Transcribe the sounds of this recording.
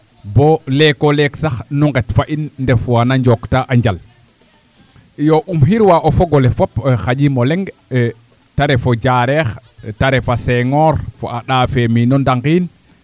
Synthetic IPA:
bɔlɛkɔlɛksaxnuŋɡɛtfaʔinndɛfwanaɲd͡ʒɔktaʔaɲd͡ʒal | jɔʔumɦiɾwaʔɔfɔɡɔlɛfɔpxad͡ʒimɔlɛŋɡ | taɾɛfɔd͡ʒaːɾɛxtaɾɛfasɛŋɔɾfɔ̰ʔaɗaːfɛminɔndaŋɡiːn

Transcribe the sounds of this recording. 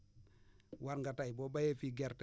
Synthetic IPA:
waɾŋɡataibobajefiɡɛɾt

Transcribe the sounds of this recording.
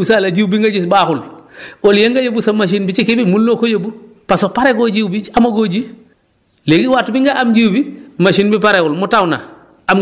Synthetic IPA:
salad͡ʒiwbiŋɡaɟis̬baːkulɔljeŋɡajabusamaʃ̬inbit͡ʃikibimulnokojebu | pasopaɾɛɡoɟiwbiamaɡoɟi | leɡiwaːtubiŋɡaʔamd͡ʒiwbimaʃinbipaɾɛwulmutawna̰ | am

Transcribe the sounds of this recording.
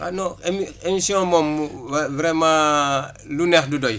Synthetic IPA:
anɔemiemisijɔ̃mɔmvɾɛmãː | lunɛxdudɔj

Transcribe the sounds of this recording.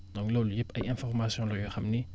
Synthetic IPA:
d̪ɔ̃ŋklolujepːɐ̰jɛ̃nfɔʁmasjɔ̃lɔjoxɐmni

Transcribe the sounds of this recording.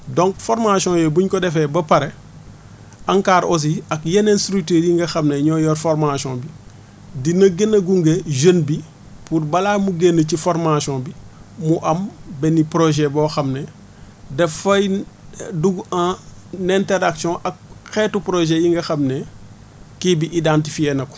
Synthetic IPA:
dõŋkfoɾmasɔ̃ːjobuɲkɔdɛfɛbɐpɐɾe | aŋkaːɾos̬iɐkjenenstɾuk̚tiːɾjiŋɡɐxɐmneɲɔːjɔːɾfoɾmasɔ̃bi | dinɐɡenːɐɡuŋɡeʒənbi | puɾbɐlaːmuɡenːəcifoɾmasɔ̃bimuʔɐmbɛnipɾoʒɛbɔxɐmne | dɛfɐj | duɡãː | nɛntɛɾaksiɔ̃ʔɐk̚xɛtupɾoʒejiŋɡɐxɐmne | kibiʔidãntifieːnɐk

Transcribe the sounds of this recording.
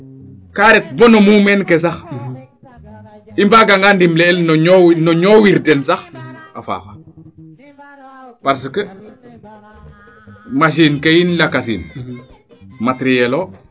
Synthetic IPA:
kaɾɛt̚bɔnomumɛnkes̬ax | imbaɡaŋɡandimlɛːlnownɔɲowiɾdensaxafa̰ːxa | paɾs̬əkə | mas̬inkejinlakasḭn | matɾijeloː

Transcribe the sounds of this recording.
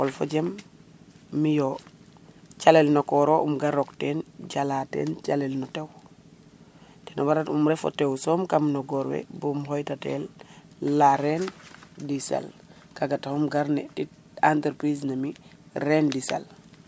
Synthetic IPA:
kɔlfo̰ɟemː | ijo | t͡ʃalelnokɔɾoʔumɡaɾoktenɟalatḛːnt͡ʃalelnɔtew | tenʔabaɾatumɾɛfo̰tewsomkamnoɡɔɾwḛbumhojtatḛlː | aɾendisḛl | kaɡatahumɡaɾnetit | anteɾpɾisnamiɾendisḛl

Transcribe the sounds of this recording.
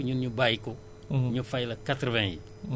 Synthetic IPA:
ɲuɲubajko | ɲufajlɐkatɾəvɛ̃jḭ

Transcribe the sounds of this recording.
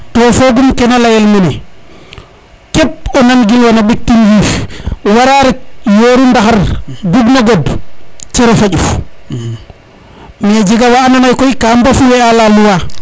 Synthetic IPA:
tɔfoɡumkɛnalajɛlmɛnɛ | kɛp̚ɔnanɡilwanaɓik̚tːinwifwaɾaɾɛjoːɾumdahaɾduɡnaɡadt͡ʃɛɾɔfauf | mɛd͡ʒiɡawaːnamajkɔikambafuwɛalaluwa

